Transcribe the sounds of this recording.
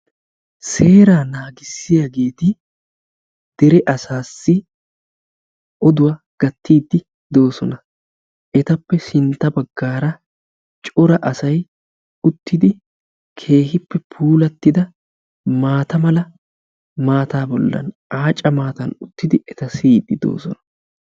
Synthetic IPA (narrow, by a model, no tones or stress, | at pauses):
se̞ːɾaːnaːɡɪsːɪjɐɡe̞ːt̪ɪ | d̪̥ɛɾɛʔɐsaːsːɪ | ɔd̪ʊwa | ɡ̥ɐt̪ːiːd̪ːɪ | d̪o̞ːsɔnɐ | ʔɛt̪ɐpːɛsɪnt̪ːɐbɐɡːaːɾɐ | t͡ʃʼɔɾɐʔɐsɐj | ʊt̪ːɪd̪ɪ | kʰe̞ːɦɪpːɛpʰuːlɐt̪ːɪd̪ɐ | maːt̪ɐmɐlɐ | maːt̪aːbɔlːɐ̰nʔaːt͡ʃʼɐmaːt̪ɐnʊt̪ːɪd̪ɪʔɛt̪ɐsiːd̪ːɪd̪o̞̰ːsɔnɐ